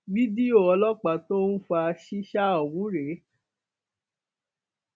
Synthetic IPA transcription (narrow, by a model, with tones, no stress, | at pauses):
bi˦di˦o˦˨ɔ˧lɔ˦k͡pa˨to˦n̩˦fa˧ʃi˦ʃa˦ɔ˨wũ˨˦ɾe˨˦